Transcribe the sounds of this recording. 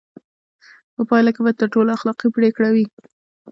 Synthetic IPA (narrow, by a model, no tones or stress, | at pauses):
pəpɑjlakebat̪əɾʈolaaxlɑqipɽekɽawi